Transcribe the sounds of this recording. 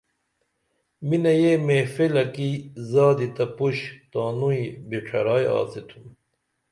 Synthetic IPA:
minɐjemeːfelɐkizaːd̪it̪ɐpuɕt̪aːnuibiʈʰɐɾaːja̰ːsit̪ʰum

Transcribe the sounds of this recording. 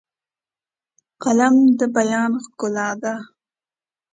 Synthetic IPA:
qalamd̪əbajɑnxkʊlɑd̪a

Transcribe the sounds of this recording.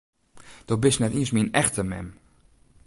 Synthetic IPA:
d̥ɔbɪsnɛtiəsmiənɛxtəmɛ̰m

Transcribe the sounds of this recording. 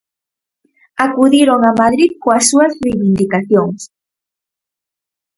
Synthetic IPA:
akuðeɾoŋamaðɾiðkoasuasrejβind̪ikaθjoŋs

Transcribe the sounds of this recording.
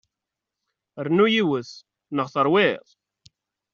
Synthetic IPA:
əɾnujiwəθ | nəʁθəɾˤwɪðˤ

